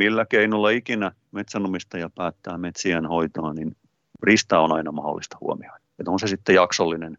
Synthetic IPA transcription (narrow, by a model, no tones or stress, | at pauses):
milːækeinulːɑikinæ | met̪sænumist̪ɑjɑpæːt̪ːæːmet̪siænhoit̪oɑnin | rist̪æonɑinɑmɑho̰lːist̪ɑ̥hṵo̰mioinet̪onsesit̪ːejɑksolːinen